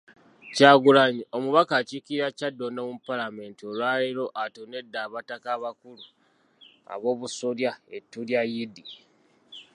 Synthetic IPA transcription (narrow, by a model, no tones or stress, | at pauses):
caːɡulaɲiomuβakacikiɾacadːonoːmupalame̞ːntiolwaːleɾo̞ʔatone̞dːaːβatakaβakulu | a̰βo̞ːβusoljaetːuljajidi